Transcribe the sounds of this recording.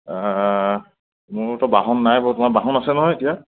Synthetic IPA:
mʊɹtɔbaɦɔnːajbɔtʊmakbaɦɔnasɛnɔɦɔjetija

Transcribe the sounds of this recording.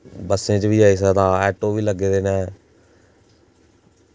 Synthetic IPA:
bəsẽːt͡ʃʋiːaːeːs̬əːd̪aːɛːʈoːʋiːləɡeːd̪eːnɛ̃ː

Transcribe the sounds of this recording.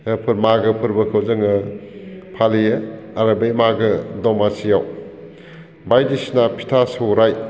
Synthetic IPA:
pʰɯɾmaɡɯpʰɯɾbɐkʰɐwzɯŋɯ | pʰalijɯaɾɐbemaɡɯdɔmasijaw | bajdisnapʰi̥tʰasɯwɾaj

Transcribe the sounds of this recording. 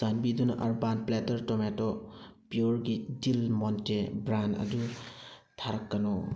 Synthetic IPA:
anbidunaʔaɾbanpletəɾtɔmetɔpijɔɾɡidilmɔntebɾana̰d͡ʒu | tʰaɾakːanɔ

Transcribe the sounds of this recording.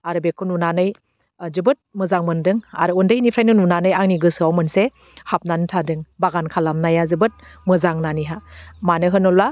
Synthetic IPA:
aɾɯbekʰununanɯj | zɯbɯt̚mɯzaŋmɯndɯŋa̰ɾɯundɯjnipʰɾajnɯnunanɯjaŋniɡɯsɯawmɯnse | hap̚nanɯtʰadɯŋbaɡankʰalamnajazɯbɯt̚mɯzaŋnaniɦamanɯɦɯnɔla

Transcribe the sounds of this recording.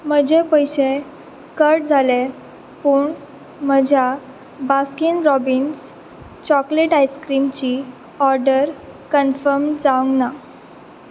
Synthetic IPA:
m̤əd͡ʑepəjɕe | kəɾʈd͡zʱale | puːɳ | məd͡ʑʱja | baskinɾɔbins | t͡ɕɔkleʈajskɾimt͡ɕi | ɔɾɖəɾkənfəɾmd͡zaʋuŋɡna

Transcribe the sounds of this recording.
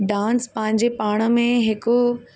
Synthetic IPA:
ɖãːnspɐ̃ɦɪ̃ɲ̆d͡ʑepaːɽ̃ə̆mẽɦɪko

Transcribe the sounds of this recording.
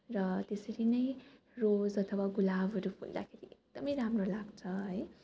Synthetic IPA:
rʌt̪esʌɾinʌj | rod͡zʌt̪ʰʌwaɡulabʱɦʌɾupʰṵld̪a̰kʰeɾiek̚d̪̥ʌmʌjɾamrolaɡt͡sʰʌɦʌj

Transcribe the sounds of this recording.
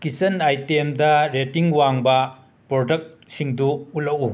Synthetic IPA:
kisɐnajtemdɐɾetiŋwaŋbɐ | pɾodɐk̚siŋduulɐwu

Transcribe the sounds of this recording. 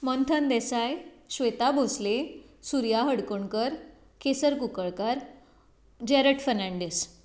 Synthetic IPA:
mənt̪ʰənd̪ɛsajɕʋet̪abʱosle | suɾjaɦəɽkoɳkəɾ | kesəɾkukəɭkaɾ | d͡ʑɛɾəʈfəɾnãɳɖes

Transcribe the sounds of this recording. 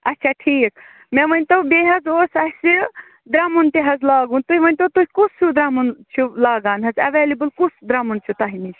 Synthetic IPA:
ɐtːt͡ʃʰaʈʰiːk̚ | meʋɐnʲt̪obeːɦɐzoːsɐɦsi | d̪ɾamunt̪iɦɐzlaːɡunt̪uɦiʋɐnʲt̪ot̪uɦʲikusʰud̪ɾamunt͡ʃʰulaːɡaːnɦɐzɐʋeːlibɨlkut͡sd̪ɾamunt͡ʃʰut̪aɦinit͡ʃʰ

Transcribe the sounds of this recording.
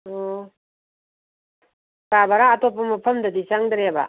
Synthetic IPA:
o | kabaɾaːtopːɐmɐpʰɐmdɐdisaŋdɾeba̰

